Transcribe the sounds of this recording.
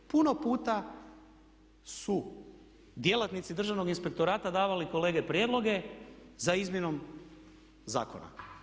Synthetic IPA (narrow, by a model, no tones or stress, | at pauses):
puno̞puːt̪a | su | d̪je̞lat̪nit̪sid̪r̩ʒaʋno̞ɡinspe̞k̚t̪o̞ɾaːt̪ad̪aːʋaliko̞le̞ːɡepɾje̞ːd̪lo̞ɡe̞zaizmʲje̞no̞m | za̰ːko̞̰na̰